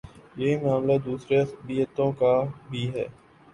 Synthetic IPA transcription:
jeimaːmlad̪uːsɾebijət̪õkabʱiːɦɛ̰ː

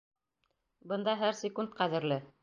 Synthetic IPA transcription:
bɤ̆nd̪ɑɦæɾsʲɪkunt̪̚qæðɘ̆ɾlɘ

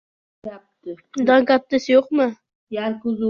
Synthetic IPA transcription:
ap̚t̪ɪ | d̪aŋkʲap̚t̪ɪsjoqmɨ | jaɾkʊz

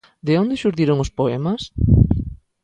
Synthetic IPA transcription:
d̪eond̪eʃuɾðiɾoŋʊspoɛmas

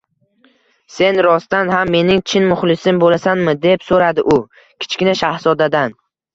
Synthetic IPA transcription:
se̞nɾɒst̪anɦamːe̞nɪŋt͡ʃʰɪnmʊχlɪsɪmbolasanmɪd̪e̞psoɾad̪ɪʔʊ | kʲʰɪ̥t͡ʃkʲɪnaʃahsɒd̪ad̪an

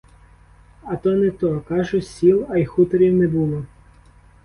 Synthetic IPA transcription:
ɐt̪ɔnɛt̪ɔkɑʒʊsʲilˠɐjxut̪ɔɾʲiwnɛbulˠɔ

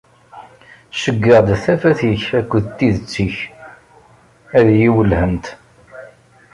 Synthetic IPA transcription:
ʃəɡːəʁd̪θæfæθiçækʷːəðt̪ːiðət͡sːiç | æðjiwəlhənt̪

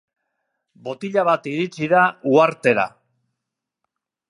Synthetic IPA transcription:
bo̞t̪iʎaβat̪iɾit͡siðauaɾt̪e̞ɾa̰

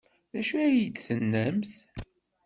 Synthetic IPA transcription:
ðæʃuæjəd̪θənːəmθ

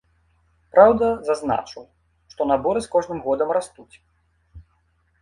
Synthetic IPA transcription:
pɾawd̪ɐzazna̰t͡ʂɨw | ʂt̪ɔnabɔɾɨskɔʐnɨmɣɔd̪ɐmrast̪ut͡sʲ

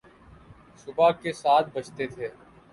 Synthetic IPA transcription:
sʊbaːkeːsaːt̪̚ʰbət͡ʃʰt̪eːt̪ʰeː

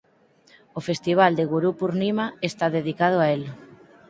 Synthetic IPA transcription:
ofest̪iβ̞ald̪eɣuɾupuɾnimaest̪aðeðikað̞ʊael

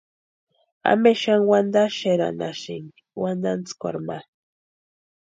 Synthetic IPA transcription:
a̰meʃaŋwand̪aʃeɾa̰naʃiŋɡiwand̪ant͡skʷa̰ɾma

